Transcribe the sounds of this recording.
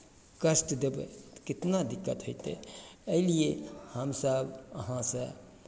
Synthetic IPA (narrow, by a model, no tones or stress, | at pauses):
kəsʈd̪ebḛkɪt̪nad̪ɪkːət̪ɦoit̪ḛəiliehəmsəbəɦãsə̃